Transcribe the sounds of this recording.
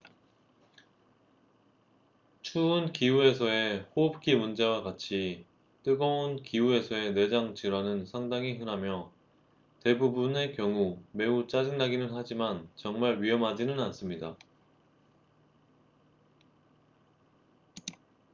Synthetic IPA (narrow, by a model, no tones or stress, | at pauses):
t͡ɕʰuːnkiue̞sʰʌe̞ɸoʌp̚k͈ʰimund͡ʑe̞wakat͡ɕʰi | t͈ɯɡʌunkiue̞sʰʌe̞ne̞d͡ʑaŋt͡ɕiɾwanɯnsʰaŋdaŋiɦɯnɦamjʌ | te̞bubune̞kjʌŋume̞ut͡ɕ͈ad͡ʑiŋnaɡinɯnɦad͡ʑimant͡ɕʌŋmaɭɥiʌmɦad͡ʑinɯnans͈ɯmɲida